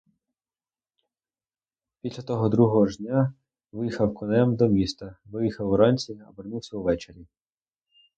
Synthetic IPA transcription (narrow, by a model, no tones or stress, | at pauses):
pʲisʲlʲɐt̪ɔɦɔd̪ɾuɦɔɦɔʒʲnʲa | ʋɪjixɐwkɔnɛmd̪ɔmʲist̪ɐʋɪjixɐwʊɾɑnʲt͡sʲiɐ̰bernuwsʲɐwʋɛt͡ʃeɾʲi